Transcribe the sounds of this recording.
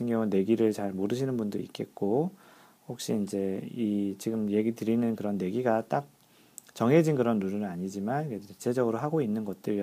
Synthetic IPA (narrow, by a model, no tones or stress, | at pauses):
eŋɲjʌŋunne̞ɡiɾɯɭt͡ɕaɭmoɾɯɕ̬ʰinɯnbundoḭk͈e̞̰t̚k͈o | hok̚ɕ͈iːnd͡ʑe̞it͡ɕiɡɯmje̞ɡitɯɾinɯnkɯɾʌnːe̞ɡiɡat͈ak̚ | t͡ɕʌŋɦe̞d͡ʑinkɯɾʌnːununɯnaɲid͡ʑimankeet͡ɕʰed͡ʑʌɡɯɾoɦaɡoinːɯnɡʌt̚t͈ɯɭ